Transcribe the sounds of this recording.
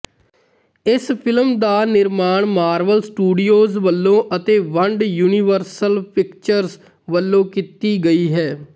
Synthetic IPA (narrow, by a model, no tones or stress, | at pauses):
ɪspʰɪlmd̪aːnɪɾmaːɳmaːɾʋəlsʈuːɖijoːzʋəlːõːʔət̪eːʋəɳɖjuːnɪʋəɾsəlpɪkt͡ʃəɾz | ʋəlːõːkit̪iːɡəiːɦɛː